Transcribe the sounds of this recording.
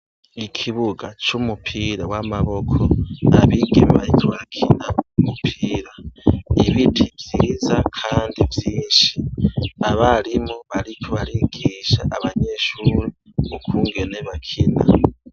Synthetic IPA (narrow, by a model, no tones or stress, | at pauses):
ikʰiβuɡat͡ʃumupʰiɾawamaβo̞kʰo̞aβiɡemiβaitwakʰinaumupʰiːɾaiβitʰivjiːzakʰaːndivjiːnʃiaβalimoβalikʰoβaliɡ̥iːʃa̰ʔːβaɲe̞ʃuːɾi | okʰuːŋɡe̞ne̞βakʰina̰